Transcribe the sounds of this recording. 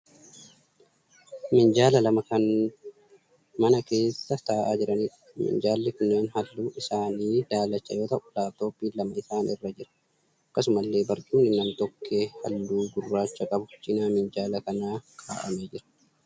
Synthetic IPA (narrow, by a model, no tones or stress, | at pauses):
mɪnd͡ʒaːlɐlɐmɐkɐn | mɐnɐke̞ːsːɐt̪aːʔaːd͡ʒɪɾɐniːᶑɐ̥mɪ̰ɲd͡ʒaːlːɪkʊnːeːnhɐlːuːʔɪsaːniːd̪aːlɐt͡ʃːɐ̰jo̞ːt̪ɐʔʊlaːft̪o̞ːpːiːlɐmɐɪsaːnɪrːɐd͡ʒɪɾɐ̥ | ɐkːɐsʊmɐlːe̞ːbɐɾt̪uːnɪnɐmt̪ɔkʰːeːhɐlːuːɡʊrːaːt͡ʃːɐkʼɐbʊ̥d͡ʒɪnaːmɪnd͡ʒaːlɐkɐnaːkʰa̰ːʔɐ̰meːd͡ʒɪɾɐ̥